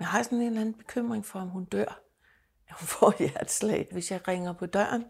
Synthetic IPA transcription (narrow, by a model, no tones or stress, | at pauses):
mehɑ̈sɒne̝ːndlæn̩b̥e̝kʰøm̰ʁeŋfɒ̽ɒmɦund̥øɐ̰ | æhunfɒʋæɐd̥slɛ̰ɪʋe̝sjɑ̈ɪʁeŋɐpʰɒ̽d̥ɶɐ̰n